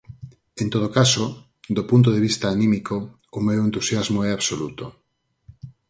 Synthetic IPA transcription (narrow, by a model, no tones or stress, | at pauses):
ent̪oð̞okaso | ðopunt̪̬oðeβist̪aːnĩmikoː | mewent̪usjazmoɛaβsolut̪o